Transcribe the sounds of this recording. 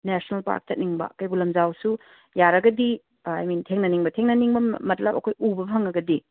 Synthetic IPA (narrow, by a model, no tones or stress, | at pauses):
nesnɐlpa̰ɾk̚t͡ʃɐt̚niŋbɐ̰kɐjbulɐmzawsu | jaɾɐɡɐdi | ajmintʰeŋnɐniŋbɐtʰeŋnɐniŋbɐmɐt̚lɐpɐ̰kʰojubɐpʰaŋɐɡɐdi